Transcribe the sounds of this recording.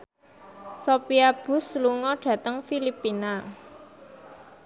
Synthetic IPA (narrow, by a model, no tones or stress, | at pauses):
sopiab̥ʊ̤sluŋɔɖ̥ä̤t̪əŋfilipina